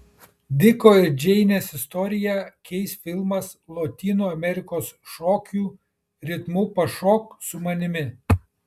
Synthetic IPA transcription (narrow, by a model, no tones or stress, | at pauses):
d̪ʲɪkoːɪɾd͡ʒʲɛɪnʲeːsɪst̪ɔɾʲɪjɛkʲɛɪsfʲɪlˠmɐslˠɔt̪ʲiːnoːɐmʲɛɾʲɪkoːsʃɔːkʲuː | ɾʲɪt̪muːpɐʃɔksʊmɐnʲɪmʲɪ